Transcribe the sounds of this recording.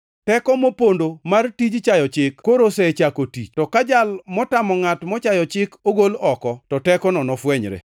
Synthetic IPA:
tɛkɔmopondomartid͡ʒt͡ʃajɔt͡ʃɪkkoɾosɛt͡ʃakotḭt͡ʃtɔkad͡ʒalmɔtamɔŋatmɔt͡ʃajɔt͡ʃɪkoɡolɔkɔtɔtɛkɔnɔnɔfwɛɲɾḛ

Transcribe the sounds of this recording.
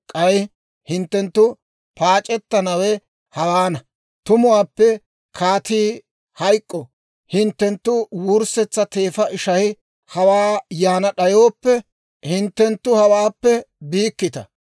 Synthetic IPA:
kʼɐj | hɪnt̪ːɛnt̪ːʊ | paːt͡ʃʼɛt̪ːɐnɐwɛ | hɐwaːnɐ | t̪ʊmʊwaːpːɛ | kʰaːt̪iː | hɐjkʼːɔ | hɪnt̪ːɛnt̪ːʊwuɾsɛt͡sːɐt̪eːfɐɪʃɐjɪ | hɐwaːjaːnɐɗɐjo̞ːpːɛ | hɪnt̪ːɛnt̪ːʊhɐwaːpːɛbiːkːɪt̪ɐ̰

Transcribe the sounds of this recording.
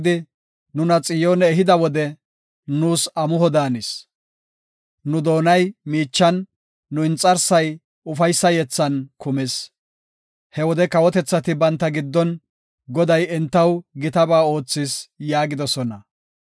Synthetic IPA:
d̪ɪ | nʊnɐt͡sʼɪjoːnɛːɦɪd̪ɐwɔd̪ɛ | nuːsɐmʊɦɔd̪aːnɪs | nʊd̪o̞ːnɐjmiːt͡ʃːɐnː | ʊɪnt͡sʼɐɾsɐj | ʊfɐjsːɐjɛt͡sːɐnkʊmɛs | hɛwɔd̪ɛkɐwɔt̪ɛt͡sːɐt̪ɪbɐnt̪ːɐɡɪd̪ːɔn | ɡɔd̪ɐjɛnt̪ːɐwɡɪt̪ɐbaːo̞ːt͡sːɪsjaːɡɪd̪ɔsɔnɐ

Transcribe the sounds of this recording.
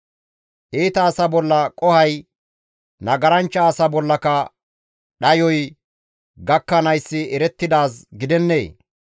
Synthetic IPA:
ʔeːt̪ɐːsɐbɔlːɐkʼɔhɐj | nɐɡɐɾɐnt͡ʃːɐːsɐbɔlːɐkɐ | ɗɐjɔj | ɡɐkːɐnɐjsːɪɛɾɛt̪ːɪd̪aːsɡɪd̪ɛnːḛː

